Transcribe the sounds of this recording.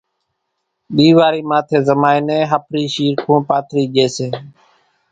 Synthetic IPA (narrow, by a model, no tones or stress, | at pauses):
ɓiːʋaːɾiːmaːt̪ʰeːzəmaːiːnẽːɦəpʰɾiːʃiːɾkʰõːpaːt̪ʰɾiːʄeːseː